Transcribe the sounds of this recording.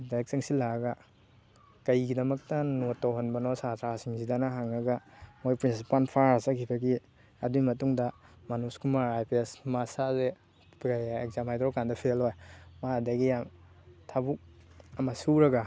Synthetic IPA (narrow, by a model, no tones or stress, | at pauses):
daek̚seŋsilaɐɡɐ | kɐjɡidɐmɐk̚tɐnotːawɦanbɐnosatʰɾasiŋzidanaɦaŋɐɡɐmojpɾinsipanpʰaɾasakʰibɐɡi | ɐduimɐtuŋdɐmanuskumaɾajpʰesmasaze | kajekzamhajdɾɔkandɐpʰelɦojmadɐɡijam | tʰabuk̚ɐmɐsuɾɐɡa